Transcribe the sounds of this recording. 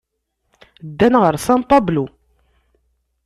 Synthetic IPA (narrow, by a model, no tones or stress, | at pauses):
d̪ːænʁəɾˤsɑmpɑblu